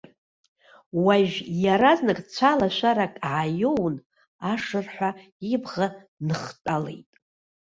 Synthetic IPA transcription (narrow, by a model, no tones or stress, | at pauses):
waʒᶣjaɾaznɨkʼt͡ɕʷʰalaʃʷaɾakʼʕajown | aʂɨrħʷa | ibʁa | nɨχtʼale̞jtʼ